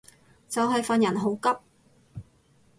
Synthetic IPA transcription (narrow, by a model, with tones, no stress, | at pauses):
t͡sɐ˨wɦɐ˨jfɐ˨njɐ˨˩nɦo˨˥wkɐ˥p̚